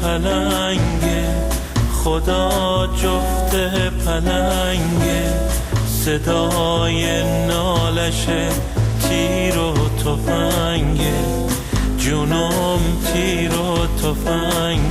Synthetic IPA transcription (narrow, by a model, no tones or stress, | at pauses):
pælæ | ŋɡe | χod̪ɒː | d͡ʒoft̪ʰepʰælæ | ŋɡe | sed̪ɒː | je | nɔːlæʃe | t̪ʰiː | ɾot̪ʰofæ | ŋɡe | d͡ʒuno | mt̪ʰiː | ɾo | t̪ʰofæ | ŋ